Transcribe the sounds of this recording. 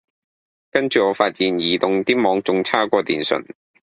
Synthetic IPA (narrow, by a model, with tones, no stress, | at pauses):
kɐ˥nt͡ʃyː˨ŋɔː˨˧faː˧t̚jiː˨njiː˨˧t̪ʊ˨ŋt̪iː˥mɔː˨˧ŋt͡sʊ˨˧ŋt͡sʰaː˥kʷɔː˧t̪iː˨˩nsɵ̰˨˩n